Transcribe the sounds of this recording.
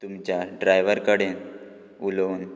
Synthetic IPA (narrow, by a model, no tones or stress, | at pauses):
t̪umt͡ɕjaɖɾajʋəɾkəɽen | ulʋn